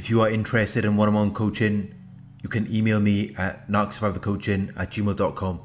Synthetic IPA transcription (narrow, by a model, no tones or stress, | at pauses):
ɪfjəəɪ̃ntɹ̥ɛstɪɾɪ̃nwʌ̃nə̃mãnkʰoʊt͡ʃɪ̃ŋ | jəkʰə̃niːmeɪlˠmiəʔnaksvaɪvəkʰoʊt͡ʃɪ̃ŋə̰ʔ̚ʒ̥iːmeɪlˠdɔʔ̚kʰɔ̃m